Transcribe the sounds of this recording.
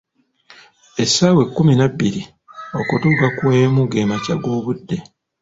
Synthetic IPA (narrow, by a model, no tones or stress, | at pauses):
e̞sːawe̞kːuminabːiɾi | o̞kutuːkakweːmuɡeːmacaɡo̞ːβudːe̞